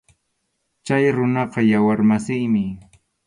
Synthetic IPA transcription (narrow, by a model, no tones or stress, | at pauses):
t͡ʃajɾʊnɑqɑjawaɾmasɪjmɪ